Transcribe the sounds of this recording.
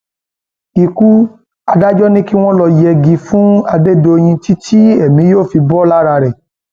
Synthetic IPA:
i˨ku˦ | a˧da˦d͡ʒɔ˦nĩ˦ki˦w̃ɔ̃˦lɔ˧jɛ˧ɡi˧fũ˦a˧de˦do˧j̃ĩ˧ti˦tʰi˦ɛ˦˨mĩ˨˦joː˦˨fi˧bɔ˦la˦ɾa˧ɾɛ˨

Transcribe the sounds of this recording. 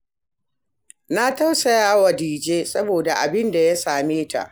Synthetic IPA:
na˦ta˦wsɐ˨jaː˦wɐ˨diː˨d͡ʒeː˦sɐ˦boː˨da˨ʔa˨bɪ˦nda˨ja˦saː˨meː˦ta̰˨ʔ

